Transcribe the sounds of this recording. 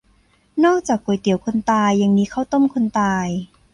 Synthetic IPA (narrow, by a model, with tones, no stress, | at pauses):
nɔː˥˩k̚t͡ɕaː˨˩k̚ːu˨˩˦jt̪i˨˩˦wkʰo˧nt̪aː˧jːa˧ŋniː˦˥kʰa˥˩wt̪o˥˩˨mkʰo˧nt̪aː˧j